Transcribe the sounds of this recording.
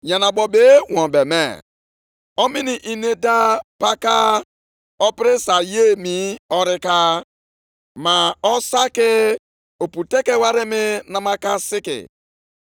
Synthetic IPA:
ɲa˨na˨bɔ˨be˦wɔ̃˨bɛ˨mɛ̰˨ | ɔ˦mi˦ni˨ʔi˦˨ne˦da˦pa˦ka˦ | ɔ˦pɪ˦ɾɪ˦sa˨je˦mi˨˦ɔ˦ɾɪ˦ka˦ | ma˨ɔ˦sa˦kɪ˦ | o˨pu˨te˦ke˦wa˦ɾɪ˦mɪ˦na˦ma˦ka˦sɪ˦kɪ̰˨

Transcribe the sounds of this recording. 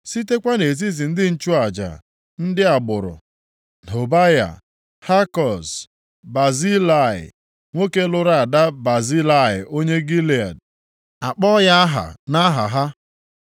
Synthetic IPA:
si˦te˦kʷa˦ne˨zi˦zi˨n̩˦dɪ˦n̩˦t͡ʃu˦a˨d͡ʒa̰˨ | n̩˦dɪ˦a˨ɡ͡bʊ˨ɾʊ̰˨ | n˨o˨ba˦ja̰˨ | ha˦kɔ˨s | ba˨zi˦la˨ɪ̰˨ | ŋʷo˦ke˦lʊ˦ɾa˨a˨da˦ba˨zi˦la˦˨ɪ˨o˦ɲe˦ɡi˦li˨a̰˨d | a˨k͡pɔ˦ja˦a˦ɦa̰˨na˦ɦa̰˨ɦa˦

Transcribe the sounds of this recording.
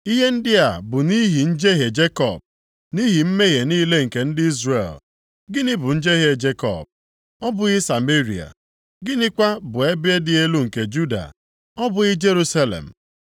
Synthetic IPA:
i˦ɦe˦n̩˦dɪ˦a˨bʊ˨ni˦ɦi˨n̩˦d͡ʒe˦ɦe˨d͡ʒe˦kɔ̰˨b̚ | ni˦ɦi˨m̩˦me˦ɣe˨ni˦le˦ŋ̩˨ke˨n̩˦dɪ˦i˦zrḛ˨l | ɡɪ˦nɪ˦bʊ˨n̩˦d͡ʒe˦ɦe˦d͡ʒe˦kɔ̰˨b̚ | ɔ˦bʊ˨˦ɪ˦sa˨me˦ɾḭ˨a̰˨ | ɡɪ˦nɪ˦kʷa˦bʊ˨e˦bɪ˦e˦dɪ˨e˦lu˦ŋ̩˨ke˨d͡ʒu˦da̰˨ | ɔ˦bʊ˨ɪ˦d͡ʒe˦ɾu˦sa˦lḛ˨m̩˨

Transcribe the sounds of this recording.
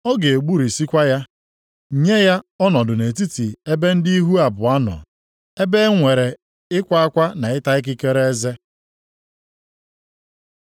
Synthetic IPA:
ɔ˦ɡe˨e˨ɡ͡bu˦ɾi˨si˦kʷa˦ja˦˨ | ɲe˦ja˦ɔ˦nɔ˨dʊ˨ne˨ti˦ti˨e˦be˦n̩˦di˦i˦ɦu˦a˨bʊ˨a˦nɔ̰˨ | e˦be˦ŋʷe˨ɾe˨ | ɪ˦kʷa˦a˦kʷa˦na˨ɪ˦ta˦ɪ˦k̬ɪ˦ke˦ɾe˦e˦ze˦

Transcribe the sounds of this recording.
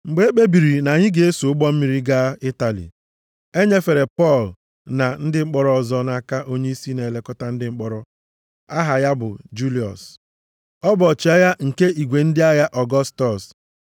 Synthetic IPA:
ŋ͡m̩˨ɡ͡be˦e˦k͡pe˦bi˨ɾi˨na˨ɲɪ˦ɡe˨e˦so˨ʊ˦ɡ͡bɔ˦m̩˦mi˦ɾi˦ɡa˦ɪ˦ta˨lḭ˨ | e˦ɲe˦fe˨ɾe˨pɔ˦˨l | na˨n̩˦dɪ˦ŋ͡m̩˦k͡pɔ˦ɾɔ˦˨ɔ˨zɔ˦na˦ka˦ʔo˦ɲe˦i˦si˦ne˨le˦kɔ˦ta˦n̩˦dɪ˦ŋ͡m̩˦k͡pɔ˦ɾɔ˦ | a˦ɦa˨ja˦bʊ˨d͡ʒu˦li˨ɔ̰˨s | ɔ˦bɔ˨t͡ʃi˨a˦ja˦ŋ̩˨ke˦ʔi˨ɡʷe˨n̩˦dɪ˦a˦ja˦ʔɔ˨ɡɔ˦stɔ˨s

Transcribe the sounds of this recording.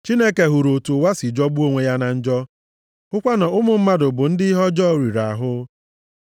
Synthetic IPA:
t͡ʃi˦ne˦ke˨ɦu˨ɾo˨tu˨wa˦sɪ˨d͡ʒɔ˦bu˦o˦ŋʷe˨ja˦na˨n̩˦d͡ʒɔ˦ | ʊ˦kʷa˦na˨ʊ˦mʊ˨m̩˦ma˦dʊ˨bʊ˨n̩˦dɪ˦ɦɔ˦d͡ʒɔ˦˨ɾi˨ɾa˨ɦʊ˦

